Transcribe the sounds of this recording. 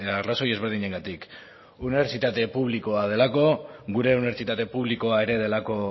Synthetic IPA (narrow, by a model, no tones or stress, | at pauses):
araso̞je̞zβe̞ɾð̞iɲe̞ŋɡat̪ik | uniβe̞ɾt͡sit̪at̪e̞puβ̞liko̞að̞e̞lako̞ɡuɾe̞uniβet͡sit̪at̪e̞puβliko̞ae̞ɾe̞ðe̞lako̞